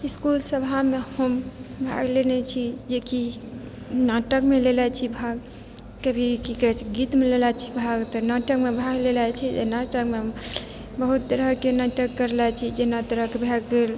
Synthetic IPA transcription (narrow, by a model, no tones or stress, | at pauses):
iskulsəbʱamehəmbʱa̰ɡlenɛt͡ʃʰid͡ʒeki | naʈəkmelelɛt͡ʃʰibʱaɡ | kebʱikikɛt͡ʃʰiɡit̪melelɛt͡ʃʰi̥bʱaɡt̪ənaʈəkmebʱaɡlelat͡ʃʰiḛnaʈəkme | bəɦut̪̚t̪əɾəɦkenaʈəkːəɾlat͡ʃʰid͡ʒenat̪əɾəkebʱɛɡel